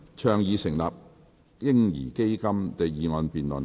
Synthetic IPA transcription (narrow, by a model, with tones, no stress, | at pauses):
t͡ʃʰœː˨˩ŋjiː˨sɪ˨˩ŋla̰ː˨p̚ | jɪ˥ŋjḭː˨˩ke˥jkɐ˥mt̪e˨jjiː˨˧ŋɔː˧npiː˨nlɵ̰˨˩n